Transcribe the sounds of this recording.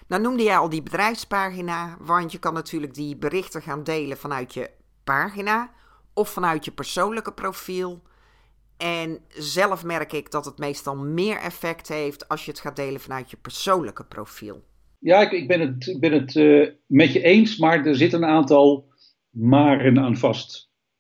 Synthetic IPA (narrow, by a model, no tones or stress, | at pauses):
dɔnumdəjɛjɔlˠdibədrɛjfspaːxinaːʋɑntjəkɑnːatʰyːləɡ̚dibərɪxtəɣaːndeːlənvɑnœɥtʰjə | paːxinaː | ɔfːɑnœɥtjəpəɹsownləkəprofilˠ | ɛnzɛlˠəfmɛrkɪɡdɔtətmejstɑlˠmɪːɹʔɛ̰fɛktɦejftʰɑlˠsjəətxaːdejlənvɑnœɥtjəpəɹsownləkəpro̰wfḭlˠ | jaːɪkɪɡ̚bɛnətɪɡ̚bɛnətmɛtəʔejnsmaːɹdəɹzɪtənaːntɑlˠ | maːrənaːnvɑst